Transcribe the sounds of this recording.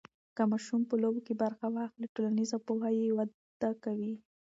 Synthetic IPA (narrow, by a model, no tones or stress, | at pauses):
kamɑʃumpəlobokebaɾxawɑxliʈolanizapoɦajewad̪ | d̪akawi